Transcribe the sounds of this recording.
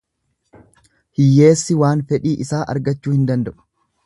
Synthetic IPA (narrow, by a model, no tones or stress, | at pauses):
hɪjːe̞ːsːɪwaːnfɛᶑiːʔɪsaːʔɐ̰ɾɡɐt͡ʃːuːhɪnd̪ɐnd̪ɐʔʊ̥